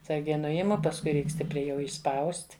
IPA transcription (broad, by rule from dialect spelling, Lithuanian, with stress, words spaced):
ɐtˈsɐrʲɡʲɛɪ ˈnʊɪmʊ pɐsˈkʊɪ ˈrʲɛɪk ˈsʲtʲɪpʲrʲɛɪ jɛʊ ɪʃˈspɐʊsʲtʲ